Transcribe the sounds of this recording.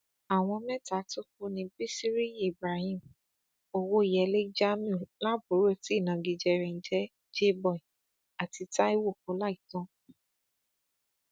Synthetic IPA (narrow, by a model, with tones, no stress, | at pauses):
a˨w̃ɔ̃˧mɛ̃˦ta˨˦to˦ku˦nĩ˧bi˦si˦ɾi˦i˦˨bɾa˨hĩ˦˨m | o˦˨wo˦i˨jɛ˧le˦d͡ʒa˦mĩ˦˨la˦bo˨˦ɾo˦˨ti˦i˦˨nã˨˧ɡi˨˧d͡ʒɛ˧ɾɛ̃˧n̩˦d͡ʒɛ˦ | d͡ʒe˦bɔ̃˦˨ĩ˨ | a˨ti˧ta˦i˦wo˦˨ko˨˧˦la˦i˨˦tɔ̃˦